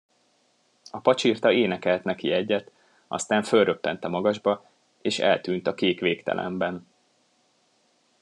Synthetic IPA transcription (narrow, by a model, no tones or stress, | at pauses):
ɒpɒt͡ʃirt̪ɒeːnɛkɛlt̪nɛkiɛɟːɛt̪ | ʔɒ̰st̪æːɱfø̞lrøpːɛnt̪ɛmɒɡɒʒbɒ | eːʃɛ̰lt̪yːnt̪ɒkeːkʋeːkt̪ɛ̰lʔɛ̰mbɛn